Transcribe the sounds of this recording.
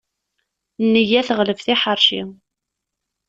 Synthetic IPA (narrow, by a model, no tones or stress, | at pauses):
nːəjæθəʁləfθiħəɾˤʃi